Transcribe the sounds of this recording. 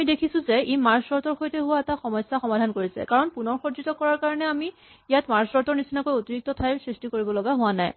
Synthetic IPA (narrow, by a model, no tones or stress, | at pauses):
amidekʰisʊ̃zɛejmaɹsɔɹtɔɹxojtɛɦʊwaɛtaxɔmɔjsːaxɔmadʱankoɹisɛ̰kaɹɔnpunɔɹxozitɔkɔɹaɹkaɹɔnɛami | ijatmaɹsɹɔɹtɔɹnisinakojotiɹik̚tɔtʰajsɹistikoɹibɔlɔɡaɦʊanaj